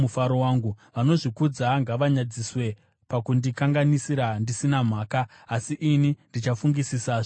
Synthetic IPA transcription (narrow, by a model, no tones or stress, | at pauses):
ufaɾowaːŋɡuʋano̞ʐikud͡zaŋɡaʋaɲad͡ziswe̞ | pakundikaŋɡanisiɾandisinam̤aːkaː | siʔinindit͡ʃafuŋɡisisaːʐ